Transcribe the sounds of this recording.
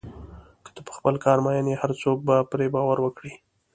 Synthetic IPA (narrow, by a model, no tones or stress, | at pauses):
kə̥t̪əpə̥xpəlkɑɾmɑjənehaɾt͡sok̚bapɾebɑwaɾwəkɽi